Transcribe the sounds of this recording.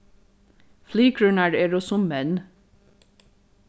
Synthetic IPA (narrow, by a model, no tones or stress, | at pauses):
fliːkʰɹʉnæɖeːɾosʊmmɛn